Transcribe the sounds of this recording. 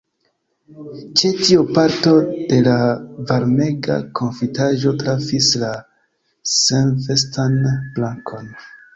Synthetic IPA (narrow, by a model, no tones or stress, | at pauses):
t͡ʃe̞tiupaɾto̞d̥e̞lavaɾme̞ɡa̰kʰo̞nfitaʒo̞tɾafisla | senvestanblaŋkʰo̞n